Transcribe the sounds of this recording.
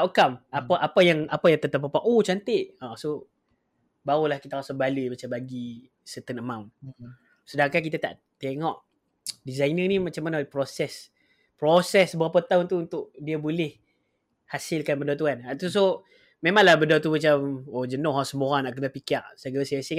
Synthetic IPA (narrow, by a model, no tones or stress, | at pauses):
aʔukamapaʔapajaŋapajaŋt̪ət̪apapaʔot͡ʃant̪eʔaso | baɣulahkit̪aɾasabaləjmat͡ʃambaɡi | sət̪ənəmam | sədaŋkankit̪at̪a̰ʔ | t̪eŋɔʔ | dizajnənimat͡ʃamːanapɾosɛs | pɾosɛsbəapat̪aʊnt̪uunt̪ʊʔdiabolɛh | hasɪlkanbədat̪̬uanat̪us̬o | memãŋlahbədat̪̬umat͡ʃamod͡ʒənɔhasəmoɾaŋnaʔkənəpikaʔsaɡəsəasi